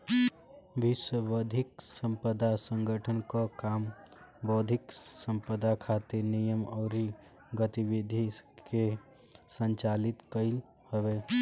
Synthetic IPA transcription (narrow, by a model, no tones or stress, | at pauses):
ʋɪswəʋəd̪ʱɪksə̃mpəd̪asə̃ŋɡʱəʈʰənkakaːmbɔd̪ʱɪksə̃mpəd̪akʰat̪iɾnijəmɔɾi | ɡət̪iʋid̪ʱike | sə̃nt͡ʃaːlɪt̪kəɪl | həʋeː